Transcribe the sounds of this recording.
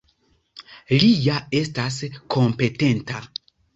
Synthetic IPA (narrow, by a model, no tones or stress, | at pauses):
lijaestaskʰompete̞nta